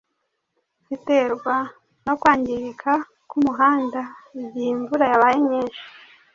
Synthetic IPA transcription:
z̥ite̞ːɾɡwa | no̞kwaːɲɟiɾikʰa | kumuɦaːndaibiiɱvuɾajaβajemɲeːnʃi̥

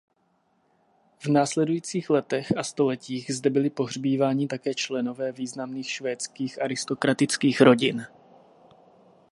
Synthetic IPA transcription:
vnaːslɛdujiːt͡siːxlɛt̪ɛxast̪o̞lɛciːɣzdɛbɪlɪpo̞ɦr̝biːvaːɲɪt̪akɛːt͡ʃlɛno̞vɛːviːznamniːxʃvɛːt͡skiːxʔaɾɪst̪o̞kɾat̪ɪt͡skiːxɾo̞ɟɪn

